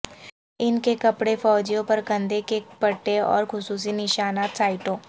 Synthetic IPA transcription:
ɪnkekɐpɽefɔːd͡ʒijõpɐɾɡɐ̃nd̪ekepɐʈːeɔ̰ːɾxʊsuːs̬inɪʃaːnaːt̪saːɪʈõː

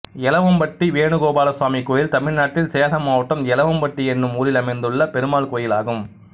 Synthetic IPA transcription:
ɛlɐʋɐmpɐʈːiʋeːɳɯɣoːbaːlɐswaːmikːoːjɪlt̪ɐmɪɻnaːʈːɪlseːlɐmaːʋɐʈːɐmɛlɐʋɐmpɐʈːiɛnːɯmuːɾɪlɐmɐɪnd̪ɯɭːɐpɛɾɯmaːɭkoːjɪlaːɣɯm

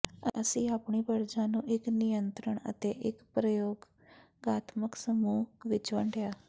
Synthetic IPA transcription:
əsĩːaːpɳiːpəɾd͡ʒãːnũːʔɪknɪjənt̪ɾəɳə̰t̪eːʔɪkpɾəjoːɡ | ɡaːt̪məksəmuːʋɪt͡ʃʋə̃ɳɖejaː

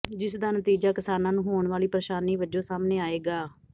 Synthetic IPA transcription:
d͡ʒɪsd̪aːnət̪iːd͡ʒaːkɪsaːnãːnũːɦoːɳʋaːliːpɾəʃaːniːʋəd͡ʒõːsaːmneːaːeːɡaː

